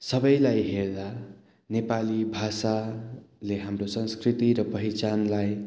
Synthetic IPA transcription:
sʌbʌjlajɦerd̪a | nepalibʱasaleɦamrosʌnskrit̪iɾʌpʌɦit͡sanlaj

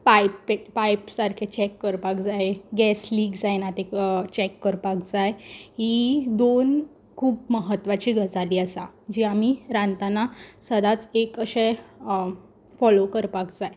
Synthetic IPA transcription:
pajpːepajpsaɾkʰet͡ɕɛkːəɾpakd͡zajeɡɛsliːɡd͡zajnat̪et͡ɕɛkːəɾpakd͡zajɦid̪on | kʰuːbməɦət̪ʋat͡ɕiːɡʱət͡saliːasad͡ʑiamiɾãnt̪anasəd̪at͡sekəɕẽ | fɔlokəɾpakd͡zaj

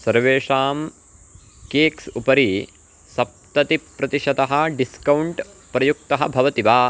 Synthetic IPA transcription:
sɐɾʋeːʂaːm | keːksupɐɾi | sɐp̚t̪ɐt̪ipɾɐt̪iʃɐd̪ɐɦɐ̆ɖiskɐwuɳʈ | pɾɐjuk̚t̪ɐɦɐ̆bʱɐʋɐt̪iʋaː

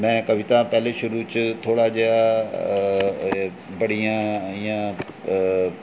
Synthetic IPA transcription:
mɛ̃ːkəbʱĩːt̪ãːpɛːleːʃʊɾuːt͡ʃət̪ʰoːɽaːd͡ʒeːaː | bəɽijãːijãː

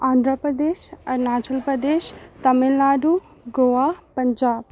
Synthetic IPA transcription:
ãːnd̪ʱɾəpɾəd̪eːʃɐɾnaːt͡ʃəlpɾəd̪eːʃt̪ɐmelnaːɖu | ɡoʋaːpɐɲd͡ʒaːb̚

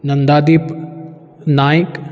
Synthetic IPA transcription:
nɐnd̪aːd̪iːp | naːik

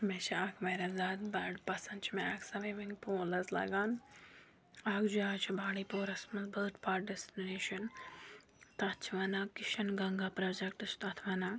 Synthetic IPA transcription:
met͡ʃʰakʰmeɾɐzaːd̪bɐɖpɐsɐnd̪t͡ʃʰimeaksɐʋeʋɐŋɡpoːlɐzlɐ̰ɡaːn | aɡd͡ʒaːt͡ʃʰibaːɽiːpoːɾɐsmɐzbɐlʈpaːʈ̚ɖɛsʈineːʃɐn | t̪ɐt͡ʃʰʋɐnakɪʃɐnɡɐŋɡaːpɾɐd͡ʒɛkʈɨsʰt̪ɐt̪ʰʋɐnaː

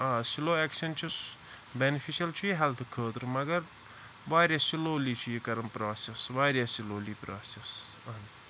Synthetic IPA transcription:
aːsiloːeːkʃɐnt͡ʃʰis | benifʰiʃɐlt͡ʃʰujiɦɛlt̪ʰkʰəːt̪ɾɨmɐɡɐɾ | ʋaːɾjasiloːliːt͡ʃʰujikɐɾɐmpɾaːsesʋaːɾjasiloːliːpɾaːsesɐn

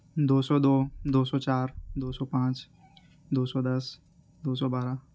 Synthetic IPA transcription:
d̪oːsɔːd̪oːd̪oːsɔːt͡ʃaːɾd̪oːsɔːpãːt͡ʃ | d̪oːsɔːd̪ɐs | d̪oːs̬ɔːbaːɾa

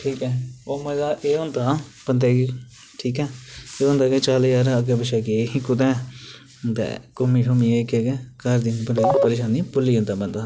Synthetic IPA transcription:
ʈʰiːkɛːoːmɛːɡaːʔeːɦʊ̃nd̪aːb̥ənd̪ɛːɡe | ʈʰiːkɛːeːʊ̃nd̪aːɡet͡ʃaːlːjaːɾaəɡeːbəʃaːkeikʊd̪ɛː | t̪ɛ̰ːkomiːʈʰomieːkeːɡeːkəɾd̪iːpəɾeːpəɾeːʃaːniːpʊlːiːɦʊ̃nd̪aːbənd̪aː

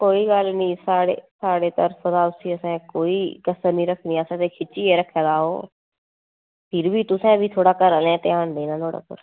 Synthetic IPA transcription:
koːiːɡəlnĩːsaːɽḛːsaːɽeːt̪əɾfəd̪aːʊsiːəsɛ̃ːkoːiːkəsəɾnĩːɾəkʰniːəsɛ̃ːt̪eːkʰɪt͡ʃiːeːɾəkʰːaːd̪aːoː | pʰɪɾbiːt̪ʊsɛ̃ːbʱiːt̪ʰoːɽaːkəɾəlɛ̃ːt̪eːãːnd̪ẽːnãːt̪ʰoːɽa̰ːpʊ̰ɾ

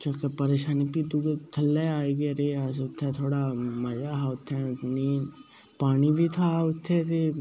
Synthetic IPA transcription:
t͡ʃokepəɾeːʃaːnipid̪ʊɡt̪ʰəlːeaːeɡeəɾeːəsʊt̪ʰːɛ̃t̪ʰoːɽamɐd͡ʒaːʊt̪ʰːɛ̃ːniː | paːnibʱiːt̪ʰaʊt̪ʰːɛt̪e

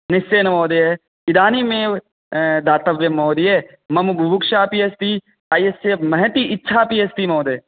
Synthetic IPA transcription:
nɪst͡ʃeːnɐmoːd̪ee | ɪd̪aːnimẽː | d̪aːt̪ɐʋjɐmoːd̪iɦe | mɐmbʱubukʃaːpiːest̪iː | aːjesemɐɦɛ̃t̪iʔɪtːʃʰaːpiːest̪imoːd̪eː

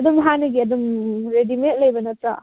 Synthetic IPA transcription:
ɐdumɦanɐɡiɐdumɾedimet̚lɐjbɐnɐt̪ɾa̰

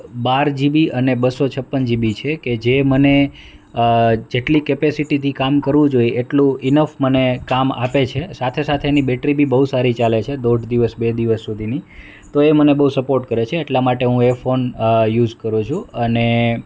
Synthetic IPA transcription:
baɾd͡ʒibiʔənebəsot͡ʃʰəpːənd͡ʒibit͡ʃʰeked͡ʒeməne | d͡ʒeʈlikepesiʈit̪ʰikamkəɾʋũd͡ʒoiʔeʈlũɪnəfmənekama̰pet͡ʃʰesat̪ʰesat̪ʰeːnibeʈɾibʱibəɦusaɾit͡ʃalet͡ʃʰed̪oɖʱd̪iʋəsbed̪iʋəsːud̪ʱini | t̪oemənebəɦusəpoɾʈkəɾet͡ʃʰeːʈlamaʈeɦũefonjud͡ʒkəɾũt͡ʃʰũəne

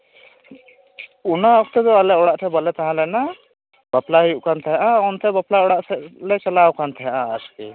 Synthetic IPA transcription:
unaɔkt̪ɛd̪ɔalɛʔɔɽaʔtʰɛbalɛt̪aɦãlɛna | baplaɦijuʔkant̪ʰɛɦaʔaɔnt̪ʰɛbaplaɔɽaʔsɛʔlɛt͡ʃɛlawkant̪ʰɛɦãʔaaski

